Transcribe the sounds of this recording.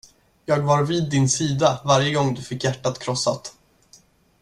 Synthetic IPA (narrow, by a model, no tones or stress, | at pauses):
jɑːɡvaɾviːd̪ːɪnsiːd̪avaɾjəɡɔŋːd̪ɵfɪkːjæʈːat̪kʰɾɔsːat̪